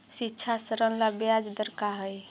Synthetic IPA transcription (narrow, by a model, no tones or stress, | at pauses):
sitːʃʰasəɾənlabjad͡ʒd̪əɾkaɦəj